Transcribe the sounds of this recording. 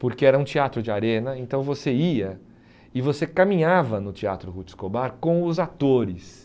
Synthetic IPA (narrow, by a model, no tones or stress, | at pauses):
poɾkeɛɾɐũt͡ʃiat̪ɾʊd͡ʒɪaɾẽnɐẽnt̪ɐ̃w̃voseiɐ | ɪvosekamĩɲavɐnʊt͡ʃia̰t̪ɾʊhut͡ʃɪ̥skobaɾkõw̃ʊzat̪oɾɪs